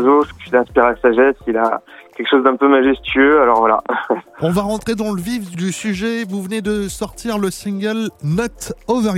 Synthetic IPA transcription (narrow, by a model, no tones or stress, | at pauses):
zosilɛ̃spiʁasaʒɛsila̰kʲɛlkə̥ʃozd̪ɛ̃pømaʒɛst̪ɥøalɔʁvwala̰ɔ̃vaʁɑ̃t̪χed̪ɑ̃ləvifd̪ysyʒɛvuvəned̪əsɔʁt̪iʁləsĩŋɡʲəlnɔt̪ɔvɛʁ